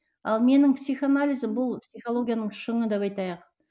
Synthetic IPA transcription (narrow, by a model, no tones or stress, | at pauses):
ɑlˠme̞nɪŋpsijχanalʲijzəbʊlˠpsʲijχo̞lˠo̞ɡʲijanəɴʃəɴəd̪epɑjt̪ɑjəq